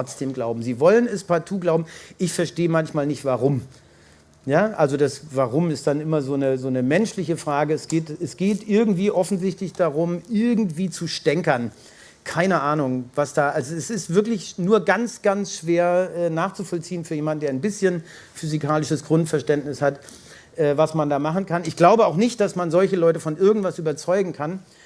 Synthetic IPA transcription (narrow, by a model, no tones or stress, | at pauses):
ɔt͡sd̥eːmɡlaʊbm̩ziːvɔlənɛspatʰuːɡlaʊbm̩ʔɪçfɛɐʃteːəmançmaːlnɪçtv̥aʁʊm | jaːʔalzodasvaʁʊmɪstd̥anʔɪmɐzoːnəzoːnəmɛnʃlɪçəfʁ̥aːɡəɛsɡ̥eːtɛsɡ̥eːtʔɪɐɡŋ̩tv̥iːʔɔfn̩zɪçtlɪçd̥aʁʊmʔɪɐɡŋ̩tv̥iːt͡suʃtɛŋkɐn | kʰaɪnəʔaːnʊŋvasd̥aːʔalzoɛsɪstv̥ɪɐklɪçnuːɐɡant͡sɡ̥ansʃv̥eːɐʔɛːnaːχt͡sufɔlt͡siːənfyːɐjeːmandn̩deːɐaɪnbɪsçən | fyzikʰaːlɪʃəsɡ̥ʁʊntfɛɐʃtɛntnɪshat | ʔɛːvasmandaːmaχn̩kʰanɪçɡ̥laʊbəaʊxnɪçt̚d̥asmanzɔlçəlɔʏtəfɔnʔɪɐɡŋ̩tv̥asʔyːbɐt͡sɔʏɡŋ̩kʰan